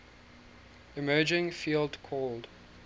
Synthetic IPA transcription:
ɪmɜːd͡ʒɪ̃ŋfiːlˠdkʰɔld̥

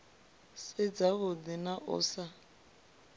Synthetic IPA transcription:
sɪd͡zaɣʊdɪnaʔʊ̰ːsa

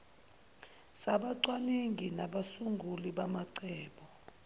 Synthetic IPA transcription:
saɓaǀwaniŋʱinaɓasuŋɡʱuliɓamaǀɛːɓɔ

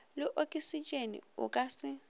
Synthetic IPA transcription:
lɪʔokʼisit͡ʃʼenḭʊ̰kʼasɪ

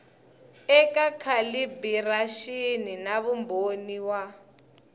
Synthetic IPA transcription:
ɛkakʰalibiraʃininaβumbʱoniwa

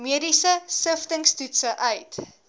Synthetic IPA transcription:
miədisəsəftəŋstutsəʔœɥt

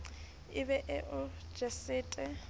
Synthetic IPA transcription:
ɪbɛʔɪʔʊ̥ | d͡ʒɛsɪːtʼɛ

